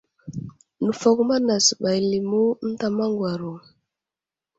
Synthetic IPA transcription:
nu˨fo˨ku˦ma˦na˨sɓa˨jli˨mu˦n̩˦ta˨ma˦ŋɡwa˨ɾu˨

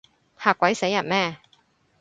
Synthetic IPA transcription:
haː˨˩kːwɐ˨˥jse˨˥jɐ˨t̚mɛː˥˩

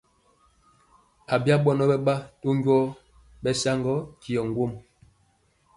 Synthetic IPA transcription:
a˨bja˦ɓɔ˦nɔ˦bɛ˦ɓa˦to˦ŋɡwɔ˦ | ɓɛ˨sa˦ŋɡɔ˦ki˨ɔ˨ŋɡwo˦m

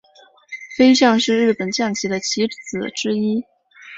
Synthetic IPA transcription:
fe˥ɪɕ̬jɑ˥˧ŋʂɻ̩˥˧ɻɻ̩˥˩pə˨˩nt͡ɕjɑ˥˩ŋt͡ɕʰi˧˥d̪ə˧t͡ɕʰi˧˥t͡sɹ̩˨˩ʈ͡ʂɻ̩˥i˥

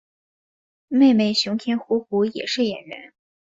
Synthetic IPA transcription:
me˥˧ɪme˥˩ɪɕjʊ˧˥ŋt̪ʰjɛ˥nxu˧˥xu˧˥jɛ̰˨˩ʂɻ̩˥˩jɛ̰˨˩nɻə̰˧˥n

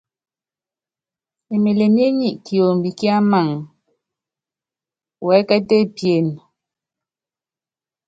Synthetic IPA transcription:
e˨me˨le˨m˦e˦ɲi˦˨ʔki˨o˨m˨bi˨ki˦a˦ma˦˨ŋ | wɛ˨˦kɛ˦te˦pje˨n

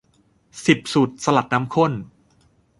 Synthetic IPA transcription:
si˨˩p̚su˨˩t̪̚sa˧la˨˩t̪̚na˦˥mkʰo˥˩n

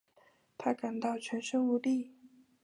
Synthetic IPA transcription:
t̪ʰa˥ka˨˩nt̪ɑ˥˩ʊt͡ɕʰɥɛ˧˥nʂə˥˧u˧˥li˥˩

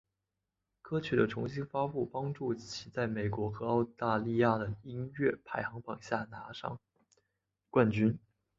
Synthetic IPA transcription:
kʰɤ˥t͡ɕʰy˨˥˩d̪ə˦ʈ͡ʂʰʊ˧˥ŋɕi˥nfa˥pu˥˩pɑ˥ŋʈ͡ʂu˥˩t͡ɕʰi˧˥t͡sa˥˩ɪme˨˩ɪkwɔ˧˥xɤ˧˥ɑ˥˧ʊt̪a˥˧li˥˧ja˥˩d̪ə˩i˥nɥɛ˥˩pʰa˧˥ɪxɑ˧˥ŋpɑ˨˩ŋɕja˥˩na˧˥ʂɑ̰˥˩ŋ | kwa˥˩nt͡ɕy˥n

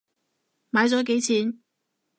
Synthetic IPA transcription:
maː˨˥jt͡sɔː˨˥k̬e˨˥jt͡sʰiː˨˥n

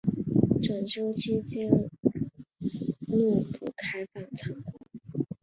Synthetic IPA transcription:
ʈ͡ʂə˨˩nt͡ɕjo˥ʊt͡ɕi˥t͡ɕi˥ŋ | lu˥˩pṵ˨˩kʰa˥ɪfɑ˨˩ŋt͡sʰɑ˧˥ŋkʰʊ˥ŋ

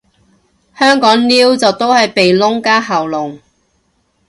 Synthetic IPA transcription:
hœː˥ŋkɔː˨˥ŋliː˥wt͡sɐ˨wt̪o˥whɐ˨jpe˨jlʊ˥ŋkaː˥ɦɐ˨wlʊ˨ŋ

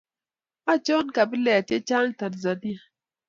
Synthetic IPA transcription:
a˦t͡ʃo˦n˦ka˨bi˦lɛ˨a˨t͡ʃe˦t͡ʃa˦n˦ta˨dza˨di˦˨

